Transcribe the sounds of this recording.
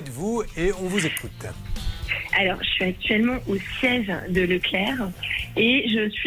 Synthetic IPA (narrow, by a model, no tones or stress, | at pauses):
ɛt̪vueɔ̃vuzekʰut̪ | alɔʁʒəsɥiak̚t̪ɥɛlmɑ̃ʔosjɛʒd̪ələklɛʁeʒəsɥi